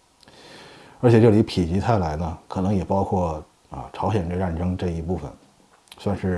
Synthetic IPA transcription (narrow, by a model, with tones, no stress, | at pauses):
ə˞˧˥t͡ɕʰjɛ˨˩ʈ͡ʂɤ˥˩li˧˥pʰi˨˩t͡ɕi˧˥t̪ʰa˥˩ɪla˧˥ɪnə˧kʰɤ˨˩nɤ˧˥ŋjɛ˨˩pɑ˥ʊkʰwɔ˥˩ | ə̰˧ʈ͡ʂʰɑ˧˥ʊɕjɛ˨˩n˥˧a˥˩nʈ͡ʂɤ˥ŋʈ͡ʂɤ˥˩i˧˥pu˥˩fə̰˨˩n | swa˥˧nʂɻ̩˥˩